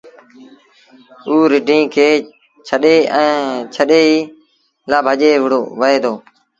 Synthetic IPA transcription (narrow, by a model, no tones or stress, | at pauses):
uːɾɪɖʱĩːkʰeː | t͡ʃʰəɗeːɛ̃ːt͡ʃʰəɗeːiː | laːbʱəʄeːʋɪɽoːʋəeːd̪oː